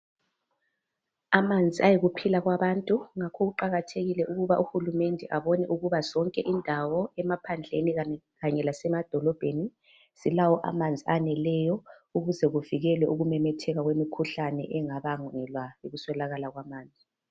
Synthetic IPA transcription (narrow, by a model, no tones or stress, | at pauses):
amand͡zʱiajiɣupʰilaɣwaβantʼuŋakʰɔɣuǃaɣatʰeɣilɛʔuɣuβaʔuxulumɛndʱɛʔaβɔnɛʔuɣuβazɔŋkʼɛʔindʱawɔɛmapʰand͡ɮʱeni | ɣaɲɛlasɛmad̥ʱɔlɔb̥ʱeni | silawɔʔa̰mand͡zʱianɛlɛjɔuɣuzɛɣuviɣɛlwɛʔuɣumɛmɛtʰɛɣaɣwemikʰuɬanɛ̰ʔɛŋaβaŋɛlwaiɣuswɛlaɣalaɣwamaːnd͡zʱi